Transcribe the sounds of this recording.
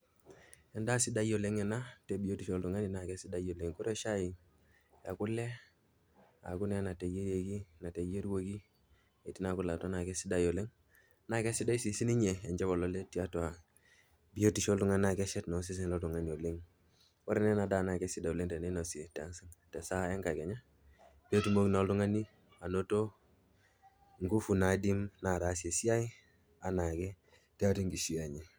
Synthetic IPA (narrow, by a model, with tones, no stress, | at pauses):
e˨nda˦si˦da˦jo˨le˦ŋe˨na˦te˨bi˨jo˦ti˨ʃo˦ldu˨ŋa˦ni˨na˨ke˦si˦da˦jo˨le˨ŋku˦ɾe˦ʃa˦ji˨ | a̰˨ku˦lːe˦ | a̰˨ɡu˦ne˦na˨te˨je˦ɾe˨ɡi˦na˨te˨je˦ɾwo˦ɡi˦ | e˨ti˦na˨ku˦lːa˨to˦na˨ke˦si˦da˨˦jo˨le˦ŋ | na˨ke˦si˦da˦i˦si˨si˦ni˦ɲe˨e˨d͡ʒe˦bo˨lo˦le˦ti˨a˦twa˨ | bi˦o˦ti˨ʃo˦ldu˦ŋa˦nna˨ke˦ʃe˦tno˨˦s̬i˦s̬i˦n˨lo˦du˨ŋa˦ni˨o˨le˦ŋ | wa̰˦ɾe˦ne˦na˨da˦˨na˨ke˦si˦da˨u˨le˦ŋte˨ne˦no˨si˨e˨ta˦nsi˦ŋte˨sa˦e˦ŋka˨ɡe˨ɲa˦ | bo˦ti˦mo˦kno˨˦ldu˦ŋa˦ni˦ | a˨no˦to˦ | ŋɡu˦fu˨na˨di˦mna˨ɾa˨˦si˨e˨si˦a˦i˦ | a˨na˨ɡe˦ | ti˦a˦ti˦ŋɡi˨si˦a˨ɲi˨